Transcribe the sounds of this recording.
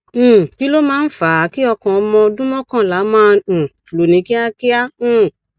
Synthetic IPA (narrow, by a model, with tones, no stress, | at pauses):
ki˦lo˦mãː˦˧n̩˦fa˨˦ki˦ɔ˧kɔ̃˨ɔ˧mɔ̃˧dũ˦mɔ̃˦kã˦˨la˨˦mãː˦˧˨lo˨nĩ˨˦ki˦a˦ki˦ã˦˨